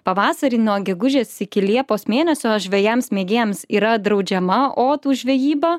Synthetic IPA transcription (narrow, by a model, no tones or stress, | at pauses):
pɐʋɑːsɐɾʲiːnuɔɡʲɛɡʊʒʲeːsɪkʲɪlʲiɛpoːsmʲeːnʲɛsʲoːʒʲʋʲɛjɛmsmʲeːɡʲeːɛmsiːɾɐd̪ɾɒʊd͡ʒʲɛmɐʔoːt̪uːʒʲʋʲɛjiːbɐ